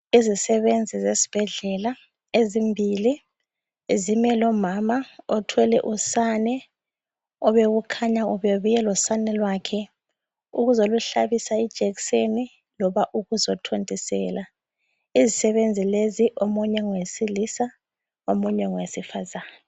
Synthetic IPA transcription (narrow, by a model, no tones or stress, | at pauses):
izisɛβend͡zʱizesi̥b̥ʱɛɮɛla | ezimbʱili | zimɛlɔmamaɔtʰwɛlɛʔusanɛ | ɔβeɣukʰaɲauβeβujɛlɔsanɛlwakʰɛ | ṵɣuzoluɬaβisaid̥ʒ̥ʱɛkseni | lɔβaʔuɣuzɔtʰontʼisɛ̰ːla | izisɛβend͡zʱileziʔomuɲɛŋwesilisa | omuɲɛŋwesifazaːna